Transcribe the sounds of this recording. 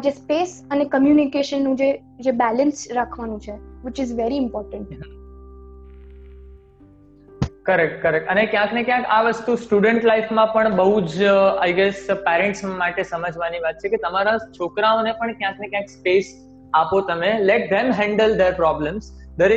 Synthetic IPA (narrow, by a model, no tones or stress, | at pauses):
d͡ʒespesənekəmjunikeʃənːũd͡ʒe | d͡ʒebɛlənsɾakʰʋanũt͡ʃʰeʋɪt͡ʃɪzʋɛɾiɪmpɔːɾʈə̃ɳʈ | kəɾɛkʈkəɾɛkənekjãknekjãkaʋəst̪ũsʈjuɽəɳʈlajfmãpəɳbəɦud͡ʒajɡɛspɛɾɛ̃ɳʈsmaʈesəməd͡ʒʋaniʋat̪̚t͡ʃʰeket̪əmaɾãt͡ʃʰokɾaonepəɳkjãknekjãkspes | apot̪əmelɛʈ̚d̪ɛmɦɛ̃ɳɖəld̪eɾpɾɔbləms | d̪əɾe